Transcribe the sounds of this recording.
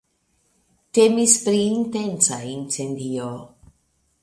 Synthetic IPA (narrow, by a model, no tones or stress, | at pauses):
temispɾiːntent͡saint͡sendio